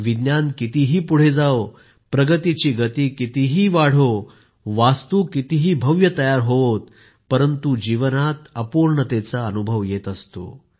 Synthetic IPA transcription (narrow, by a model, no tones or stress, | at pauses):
ʋid̪njankit̪iɦiːpuɽ̤ed͡zao | pɾəɡət̪it͡ɕiːɡət̪iːkit̪iɦiːʋaɽ̤o | ʋast̪uːkit̪iɦiːbʱəʋjət̪əjaɾɦoot̪̚ | pəɾənt̪ud͡ʑiʋənat̪əpuɾɳət̪et͡saənubʱəʋjet̪əst̪o̰